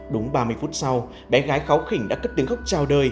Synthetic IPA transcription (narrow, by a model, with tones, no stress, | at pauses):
ɗʊ˨˦ŋ͡mɓaː˧mɨ˧jfu˦˥t̚sa˧w | ɓɛ˨˦ɣaː˨˦jxaː˨˦wxï˧˩ŋ̟ɗa̰ː˧˥kə˦˥p̚t̪əŋxa˦˥wk͡p̚t͡ɕaː˧˩wɗəː˧˩j